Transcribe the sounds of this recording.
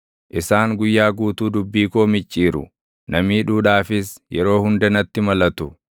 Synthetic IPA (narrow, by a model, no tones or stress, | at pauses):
ʔɪsaːŋɡʊjːaːɡuːt̪uːd̪ʊbːiːkoːmɪt͡ʃʼːiːɾʊ̰ | nɐmiːᶑuːᶑaːfɪsjɛ̰ɾo̞ːhʊnd̪ɐnɐt̪ːɪmɐlɐt̪ʊ